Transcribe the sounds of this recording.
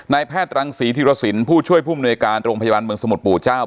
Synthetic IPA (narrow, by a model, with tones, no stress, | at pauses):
naː˧jpʰɛː˥˩t̪̚ɾa˧ŋsiː˩˦t̪ʰiː˧ɾa˦˥t̪̚si˩˦npʰuː˥˩t͡ɕʰu˥˩əjpʰuː˥˩m˧nu˧jkaː˧nɾo˧ŋpʰja˧baː˧nmɯ˧əŋsa˧mu˨˩puː˨˩t͡ɕaː˥˩w